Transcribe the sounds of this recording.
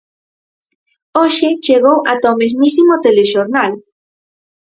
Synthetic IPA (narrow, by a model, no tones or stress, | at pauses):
oʃet͡ʃeɣowʔat̪ɔmezmisimot̪eleʃoɾnal